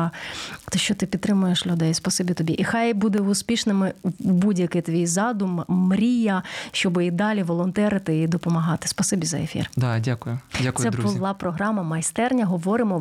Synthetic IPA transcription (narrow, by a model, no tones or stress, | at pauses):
t̪ɔʃt͡ʃɔt̪ɪpʲit̪t̪ːɾɪmʊjeʃlʲʊd̪ɛjspɐsɪbʲit̪ɔbʲiʔixɑjbud̪ɛʊspʲiʃnɪmɪbudʲjɐkɪt̪ʋʲijzɑd̪ʊmmɾʲijɐʃt͡ʃɔbɪid̪ɑlʲiʋɔlˠɔnt̪ɛɾɪt̪ɪid̪ɔpɔmɐɦɑt̪ɪ̥spɐsɪbʲizɐ̰efʲḭrd̪ɑdʲakʊjʊdʲasɛʊlˠɑpɾɔɦɾɑmɐmɐjst̪ɛrnʲɐɦɔʋɔɾɪmɔ